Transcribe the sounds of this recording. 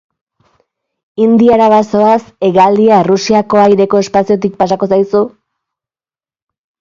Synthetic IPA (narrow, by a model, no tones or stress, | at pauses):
ind̪iaɾaβaso̞ase̞ɣald̪iarusiako̞ajɾe̞ko̞e̞spasio̞t̪̬ik̚pasako̞sajsu